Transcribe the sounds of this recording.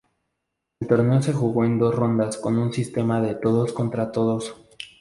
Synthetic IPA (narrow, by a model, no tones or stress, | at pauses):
elt̪o̞ɾne̞ose̞xuɣo̞e̞nd̪o̞sro̞nd̪asko̞nunsist̪e̞maðe̞t̪o̞ðo̞sko̞nt̪ɾat̪o̞ðo̞s